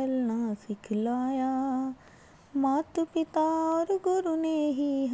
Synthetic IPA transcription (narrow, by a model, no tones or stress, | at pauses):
ɐlnasɪkʰlaːjaː | maːt̪pɪt̪aɔːɾɡʊɾuneːɦiɦ